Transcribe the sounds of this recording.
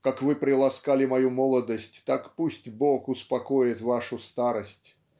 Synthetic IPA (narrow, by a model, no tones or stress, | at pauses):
kakvɨpɾʲɪlˠaskalʲɪmajumɔlˠɐd̪əsʲtʲt̪akpusʲtʲboxʊspakojɪt̪vaʂʊst̪aɾəsʲtʲ